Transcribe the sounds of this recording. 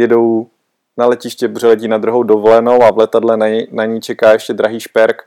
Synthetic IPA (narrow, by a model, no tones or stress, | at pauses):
jɛdo̞w | nalɛcɪʃcɛbr̝ɛlɛciːnad̪ɾuɦowdovolɛno̞wavlɛt̪adlɛnanaɲijt͡ʃɛkaːjɛʃcɛdɾaɦiːʃpɛɾk